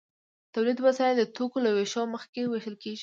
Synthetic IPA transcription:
t̪awlid̪wasɑjld̪ət̪okolaweʃɑməxkeweʃəlkeʒi

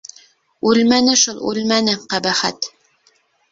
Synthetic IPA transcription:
ʉlmænɘʃulˠʉ̰lmænɘqæbæχæt̪

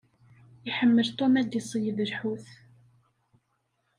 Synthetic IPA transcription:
iħəmːəlt̪ˤomæd̪isˤjəðəɾħuθ

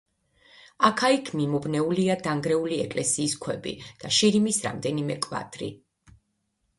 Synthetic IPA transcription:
akʰaikʰmimɔbnɛuliad̪aŋɡɾɛuliɛkʼlɛsiːskʰwɛbḭd̪̥aʃiɾimisɾa̰md̪ɛnimɛkʼva̰t̪ʼɾḭ

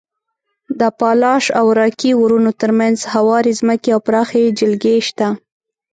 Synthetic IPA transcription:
d̪əpɑlɑʃawɾɑkiwuɾunot̪əɾmanzhawɑɾizməkeawpɾɑxed͡ʒɪlɡeʃt̪a

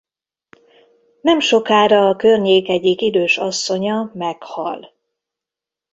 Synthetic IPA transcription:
nɛmʃo̞kaːɾɒːkørɲeːkɛɟikid̪øːʃɒsːo̞ɲɒmɛkhɒ̰l

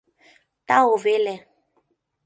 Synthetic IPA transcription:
taovelɛ

